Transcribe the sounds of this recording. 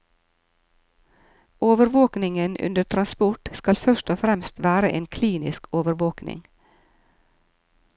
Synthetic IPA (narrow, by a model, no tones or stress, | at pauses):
ʔoːʋəɾʋoːknɪŋənʉ̰nd̪əʈʰɾɑnspʊʈskɑlfœʃtɔfɾɛmst̪ʋæːɾəʔeːnkʰliːnɪskoːʋəɾʋoːknɪ̰ŋ